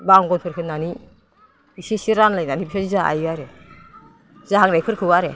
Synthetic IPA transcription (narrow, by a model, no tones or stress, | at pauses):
baŋɡɔnpʰɯɾkʰɯnːani | isisiɾanlajnanibisazizaa̰jaɾe | zaɦaŋnajkʰɯɾkʰɯwaɾe